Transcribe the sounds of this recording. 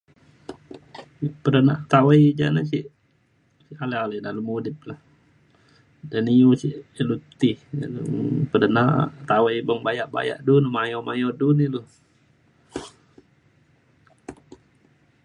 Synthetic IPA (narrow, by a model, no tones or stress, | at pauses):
pədənaʔt̪awajd͡ʒa̰nasi | sialealɛdalumudɪp̚lah | daniusiʔlut̪ihnpədənaʔt̪awajbəŋbajaʔba̰ja̰ʔdunumajomajɔdunilu